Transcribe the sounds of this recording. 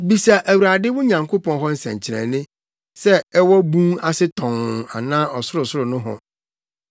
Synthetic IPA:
bi˨sa˨ʔæ˨wu˨ɾa˨dɪ˦wʊ˦ɲã˨ŋkʰo˦pɔ̃˦nɦɔ˦n̩˦sɛ̰̃˨ɲ˨t͡ɕʰɪ˨ɾɛ̰̃˨nɪ̃˦ | sɛ˦ɛ˦wɔ˦bũ˦ŋa˦sɪ˦tʰɔ̃˨ŋ˨a̰˨nãː˦ɔ˨sʊ˦ɾʊ˨sʊ˦ɾʊ˨nʊ̃˦ɦɔ̰̃˨

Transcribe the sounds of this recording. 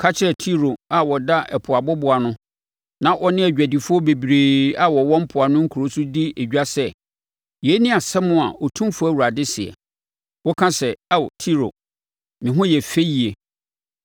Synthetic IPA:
kʰa˦t͡ɕʰɪ˦ɾɛ˨tʰi˦ɾo˨a˨wɔ˨da˦ʔɛ˨pʰʊ˨a˨bɔ˦bʊ˨a˨nʊ̃˦ | nã˦ʔɔ˦nɪ̃˦æ˨d͡ʑᶣæ˨di˨fʊ˦ɔ˦be˨bɾeː˨a˦wɔ˨wɔ̃˦m̩˦pʰʊ˨a˨nʊ̃˦ŋ̩˦kʰu˨ɾo˦su˦di˦e˨d͡ʑᶣa˦sɛ˦ | jɛ˨˦nɪ̃˦a˨sɛ˦mʊ̃˦a˨ɔ˨tʰũ˦m˦fʊ˦æ˦˨wu˨ɾa˨dɪ˦sɪ˨ɛ̰˨ | wɔ˦kʰã˦sɛ˨a˦wtʰi˦ɾo̰˨ | mɪ̃˨ɦʊ̃˦jɛ˨fe˦ji˨e˨

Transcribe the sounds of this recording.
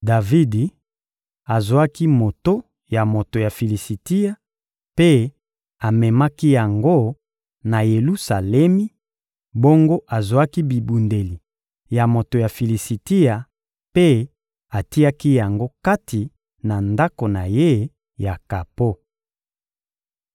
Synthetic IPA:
da˨vi˦di˨ | a˨zwa˦ki˦mo˨to˦ | ja˨mo˨to˨ja˨fi˨li˨si˨ti˦ja˦ | pe˦ | a˨mɛ˨ma˦ki˦ja˨ŋɡo˦ | na˨je˨lu˦sa˨lɛ˦mi˦ | bo˦ŋɡo˦ʔa˨zo˨a˦ki˦bi˨bu˨nde˨li˨ | ja˨mo˨to˨ja˨fi˨li˨si˨ti˦ja˨ | pe˦ | a˨ti˦a˦ki˦ja˨ŋɡo˦ka˦ti˨ | na˨nda˦ko˨na˨je˦ | ja˨ka˨po˦

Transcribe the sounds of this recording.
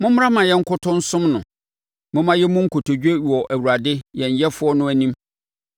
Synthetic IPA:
mʊ̃˦m̩˦ã˦mã˨jɛ˦ŋ̩˦kʊ˦tʰʊ̃˦n̩˦sʊ̃˦mnʊ̃˨ | mʊ̃˦mã˦jɛ˦mʊ̃˦ŋ̩˦kʰo˨tʰo˨d͡ʑᶣe˦ɥɔ˨ʔæ˨wu˨ɾa˨dɪ˦jɛ̃˨ɲ˨jɛ˦fʊ˦ɔ˦nʊ̃˦æ˨nĩ˦m

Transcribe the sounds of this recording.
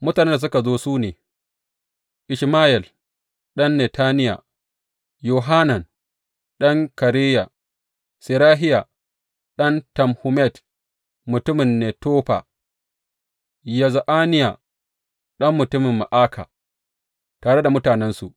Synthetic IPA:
mʊ˦taː˨ne˦nda˨s̬ʊ˦ka˨zoː˦suː˦neː˨ | ʔɪ˨ʃmaː˦ʔɛ˨l | ɗɐ˦nːɛ˨taː˦nɪ˦ja̰˨ | jo˨ɦa˦nɐ˨n | ɗɐ˦ŋkɐ˨ɾeː˦ja˨ | sɪ˨ɾaː˦ɦɪ˦ja˨ | ɗɐ˦ntɐ˨mhu˨mɛ˦˨t | mʊ˨tʊ˦mɪ˨nːe˨toː˦ɸa̰˨ | ja˨za˨ʔaː˦nɪ˦ja˨ | ɗɐ˦mːʊ˨tʊ˦mɪ˨mːa˨ʔaː˦kʰa̰ː˨ | taː˨ɽe˦da˨mʊ˦taː˨nɛ˦nsu˨ʔ

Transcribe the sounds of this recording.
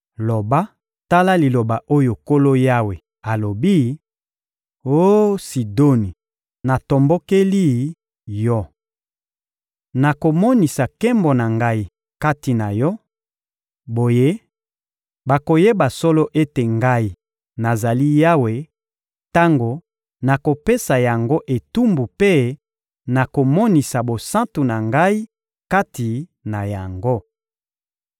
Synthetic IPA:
lo˨ba˦ | ta˦la˦li˨lo˨ba˨ʔo˦jo˨ko˦lo˦ja˦we˨ | a˨lo˨bi˦ | o˦si˨do˦ni˨ | na˨to˨mbo˦ke˦li˦ | jɔ˦ | na˨ko˨mɔ˦ni˨sa˨kɛ˦mbɔ˨na˨ŋɡa˦i˦ | ka˦ti˨na˨jɔ˦ | bo˨je˦ | ba˨ko˨je˦ba˨sɔ˦lo˦ʔe˦te˨ŋɡa˦i˦˨ | na˨za˨li˦ja˦we˨ | ta˦ŋɡo˨ | na˨ko˨pe˦sa˨ja˨ŋɡo˦ʔe˨tu˦mbu˨pe˦ | na˨ko˨mɔ˦ni˨sa˨bo˨sã˦tu˨na˨ŋɡa˦i˦ | ka˦ti˨na˨ja˨ŋɡo˦

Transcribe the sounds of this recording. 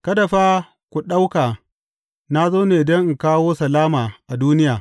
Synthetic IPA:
kɐ˦dɐ˨ɸaː˦ | kʷu˨ɗa˦wkaː˨ | na˦zoː˦neː˨dɐ˦ŋʔŋ̩˨kaː˦woː˦sɐ˨laː˦maː˨ʔa˨duː˦nɪ˦jaː˨

